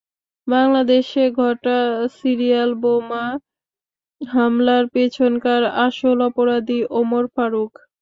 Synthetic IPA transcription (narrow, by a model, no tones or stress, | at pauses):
baŋlad̪eʃeɡʱɔʈasiɾialboma | ɦamlaɾpet͡ɕʰonkaɾaʃolɔpoɾad̪iʔomoɾfaɾuk